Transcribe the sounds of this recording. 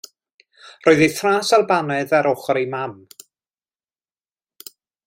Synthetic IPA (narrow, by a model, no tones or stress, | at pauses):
rɔːɨðeθraːsalbanɛðaɾɔχɔɾemam